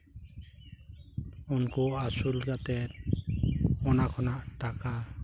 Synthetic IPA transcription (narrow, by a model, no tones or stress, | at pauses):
unkuasulɡat̪ɛ | ɔnakʰɔnaʔʈaka